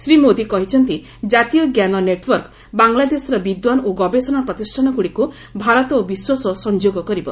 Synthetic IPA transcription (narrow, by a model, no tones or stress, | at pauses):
sɾimod̪ikɔɦit͡ʃʰɔnt̪i | d͡ʒat̪ijɔɡjanɔneʈwɔɾk | baŋlad̪esɔɾɔbid̪wanoɡɔbesɔnɔpɾɔt̪isʈʰanɔkuɽiku | bʱaɾɔt̪ɔobiswasɔsɔnd͡ʒoɡɔkɔɾibɔ̰